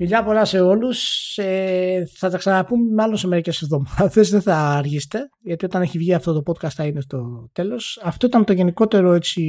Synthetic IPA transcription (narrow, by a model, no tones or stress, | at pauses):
miʎɐpo̞lɐse̞o̞luseθɐt̪ɐksɐnɐpummɐlo̞nsemeɾicesvðo̞maðe̞zðeθɐːɾʝist̪e̞ | ʝɐt̪io̞t̪ɐne̞çivʝiɐft̪o̞t̪o̞po̞t̪̚kɐst̪θɐinest̪o̞t̪e̞lo̞sɐft̪o̞it̪ɐmt̪o̞ʝe̞niko̞t̪e̞ɾo̞e̞t͡si